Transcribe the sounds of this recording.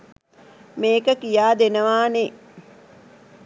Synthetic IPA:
meːkəkijaːd̪enəʋaːne

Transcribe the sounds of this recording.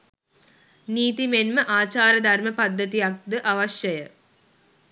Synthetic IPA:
niːt̪imenməʔaːt͡ɕaːɾjɐəd̪ʱɐrməpad̪ʱːət̪ijak̚d̪əʔaʋɐɕjɐjə

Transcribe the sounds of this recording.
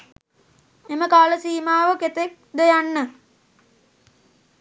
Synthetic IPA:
eməkaːləsiːmaːʋəket̪ek̚d̪ejanːə

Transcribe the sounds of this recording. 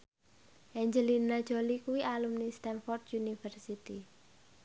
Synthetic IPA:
ʔɛɲd͡ʒəlinad̥ʒ̥olikuwiʔalumnist̪ɛnfɔrd̪junifərsit̪i

